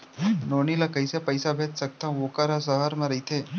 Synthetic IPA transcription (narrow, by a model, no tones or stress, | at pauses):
noːnilakəjsepəjsabʱeːt̪sək̚t̪ãʋokaɾasəɦaɾmẽɾəit̪ʰe